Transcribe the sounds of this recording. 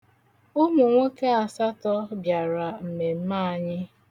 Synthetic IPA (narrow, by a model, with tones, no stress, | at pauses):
ʊ˦mʊ˨ŋʷo˦ke˦a˨sa˦tɔ˦bja˨ɾa˨m̩˨me˨m̩˦ma˦˨a˦ɲɪ˦